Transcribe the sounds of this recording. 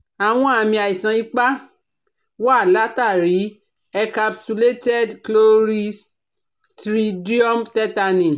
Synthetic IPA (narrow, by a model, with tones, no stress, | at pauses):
a˨w̃ɔ̃˧a˧mĩ˧a˨i˨sã˨˧i˦k͡pa˦ | wa˦˨la˨˦ta˦˨ɾi˨˦ | ɛ˧ka˧pt͡ʃu˧le˦tɛ˦dklo˦ɾi˦s | tɾi˦di˦ɔ˦mtɛ˦ta˧nĩ˨